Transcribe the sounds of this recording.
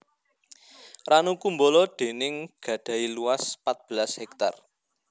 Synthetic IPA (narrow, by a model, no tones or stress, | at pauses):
ranukumbolɔɖ̪̥e̤nɪŋɡ̥ä̤ɖ̥ä̤iluaspat̪̚b̥ə̤lashɛk̚t̪a̰r